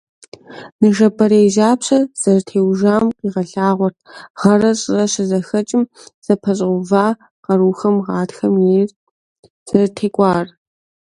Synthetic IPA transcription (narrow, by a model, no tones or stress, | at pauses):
nɨʒɐbʰɐɾejʒaːpɕɐz̥ɐrtʰeːwʒaːmqʼiːʁɐɬaːʁʷɔt̚ʰʁ̥ɐrɐɕʼɪrɐɕɪzɐxɐt͡ʃʼɪm | z̥ɐpʰɐɕ̬ʼʷʊvaː | qɐɾuːxɐmʁɑːtxɐmjeːr | z̥ɐrtʰeːkʷʼɑːr